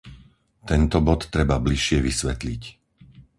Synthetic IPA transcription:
t̪ɛnt̪ɔbɔt̪ːɾɛbabliʃɪɛʋisʋɛt̪lic

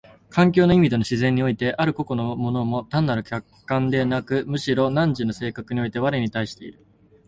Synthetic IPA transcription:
kʰãŋk̬ʲo̞ːno̞imʲid̪e̞no̞ɕizẽ̞ɲ̟ːio̞it̪e̞ʔaɾɯ̟ko̞ko̞nomo̞no̞mo̞t̪ãnːaɾɯ̟kʲakːãnd̪e̞nakɯ̟mɯ̟ɕiɾo̞nãɲd͡ʑino̞se̞ːkakɯ̟ɲ̟io̞it̪e̞βaɾɯɲ̟it̪aiɕi̥t̪e̞ḭɾɯ̟

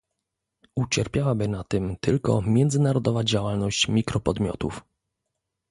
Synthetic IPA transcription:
ut͡ɕɛɾpʲjawabɘnat̪ɘmt̪ɘlkɔ̰mʲjɛnd̪zɘnaɾɔd̪ɔvad͡ʑawalnɔɕt͡ɕmʲikɾɔpɔd̪mʲjɔ̰t̪ṵf

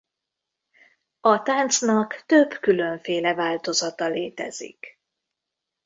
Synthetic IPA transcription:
ɒt̪aːnt̪snɒkt̪øbkylø̞ɱfeːlɛvaːlt̪o̞zɒt̪ɒleːt̪ɛ̰zḭk

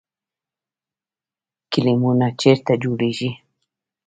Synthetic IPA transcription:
kilimunat͡ʃeɾt̪ad͡ʒuliʒi

